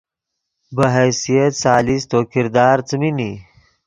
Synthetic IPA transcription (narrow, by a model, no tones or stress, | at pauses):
bəɦɛjsijɐt̪saːlist̪oːkɪɾd̪aːɾt͡smini